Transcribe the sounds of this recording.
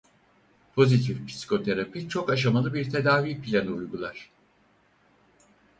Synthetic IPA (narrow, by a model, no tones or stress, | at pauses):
pʰo̞zit̪ʰifpʰi̥si̥kʰo̞t̪ʰeɾapʰit͡ʃʰo̞kaʃamalˠɯbiɾt̪ʰe̞d̪aːviːpʰlʲænujɡulˠaɾ̥